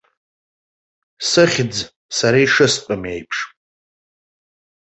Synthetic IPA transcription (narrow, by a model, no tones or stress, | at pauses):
sɨχʲd͡z | saɾaiʂɨstʼamejpʰʂʼ